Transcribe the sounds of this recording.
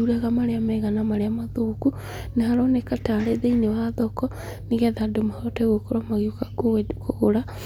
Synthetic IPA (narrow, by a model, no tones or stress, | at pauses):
uɾaɣamaɾeamɛɣanamaɾeamaðoːku | neɦaɾɔnɛkataːɾeðeinewaðɔkɔ | niɣɛðadomahɔtɛɣokoɾwamaɣiokakoekooɾa